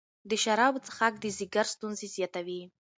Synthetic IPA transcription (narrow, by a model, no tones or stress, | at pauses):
d̪əʃaɾabt͡sə̥χak̚d̪əziɡaɾst̪unzezjat̪awi